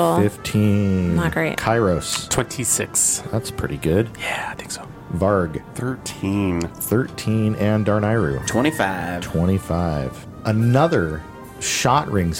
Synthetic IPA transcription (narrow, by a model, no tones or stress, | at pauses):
fɪftʰĩnɡ̥ɹeɪkʰaɪɹoʊstʰw̥ɛ̃ntʰisɪksðætspʰɹ̥ɪ̰ɾiɡʊd̥̚jæaθɪ̃ŋksoʊ | vɑɹɡθɜ˞tʰĩnθɜ˞tʰĩnɨ̃ndɑɹnaɪɹʉ̰tʰw̥ɛ̃ɾ̃ifaɪvtʰw̥ɛ̃ɾ̃ifaɪv̥ | ʔənʌðə˞ | ʃɑʔ̚ɹɪ̃ŋz